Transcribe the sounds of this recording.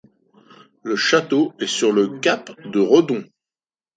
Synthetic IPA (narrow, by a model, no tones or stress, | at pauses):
ləʃat̪oɛsyʁləkʲapd̪əʁɔd̪ɔ̃